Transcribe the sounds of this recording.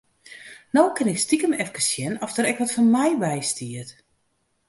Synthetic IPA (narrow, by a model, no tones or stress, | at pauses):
nowkɪnɪkstikəmɛfkəsjɛnɔfdəɾɛkʋɔtfɔnmɛjbɛjstiət